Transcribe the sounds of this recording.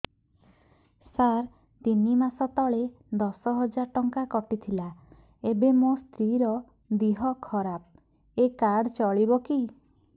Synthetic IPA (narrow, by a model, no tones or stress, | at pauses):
saɾ | t̪inimasɔt̪ɔɭe | d̪ɔsɔɦɔd͡ʒaɾʈɔŋkakɔʈit̪ʰila | ebemost̪ɾiɾɔ | d̪iɦɔkʰɔɾap̚ | ekaɖt͡ʃɔɭibɔki